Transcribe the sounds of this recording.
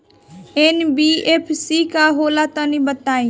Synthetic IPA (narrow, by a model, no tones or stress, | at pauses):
enbiepʰsikaɦoːlat̪ə̃nĩbət̪aːĩː